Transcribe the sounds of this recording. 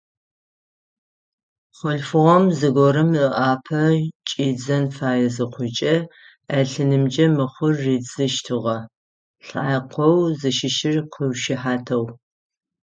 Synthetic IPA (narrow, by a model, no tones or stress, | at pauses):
χʷʊɬfɨʁɔmzɨɡʷɔɾɨməʔaːpʰɐt͡ʃʼiːd͡zɐnfaːjɐzɨqʷʊt͡ʃʼɐ | ɐɬɨnɨmd͡ʒɐmɨχʷʊrːiːd͡zʼɨʃtʰɨʁɐ | ɬaːjqʷʰɔwzɨʃɪʃɪrqʰəwʃɪħaːtʰɐw